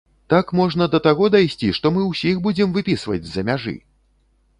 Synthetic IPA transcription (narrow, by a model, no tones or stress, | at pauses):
t̪akmɔʐnɐd̪ɐt̪aɣɔd̪ajsʲt͡sʲiʂt̪ɔmɨwsʲixbud͡zʲɛmvɨpʲisvɐ̰d͡zʲzɐmʲaʐɨ̰